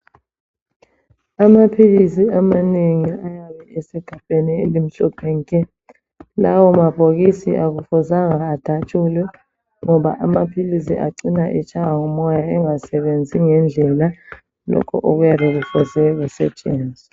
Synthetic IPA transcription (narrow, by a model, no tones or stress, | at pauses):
amapʰilisiamaneŋiajaɓɛɛsɛɡ̥ʱapʼeniḛlim̩ɬɔpʰɛŋkʼɛ | lawɔmab̥ʱok̬isḭʔak̬ufɔzaŋaːd̥ʱat͡ʃʰʼulwɛ | ŋɔɓa̰ʔamapʰilisḭʔaǀinaʔit͡ʃʰʼawaŋɔmɔjaɛŋasɛɓend͡zʱiŋɛnd͡ɮʱɛla | lɔ̰kʰɔ̰ʔok̬ujaɓɛk̬ufɔzɛk̬usɛ̰t͡ʃʼeːnd͡zʱi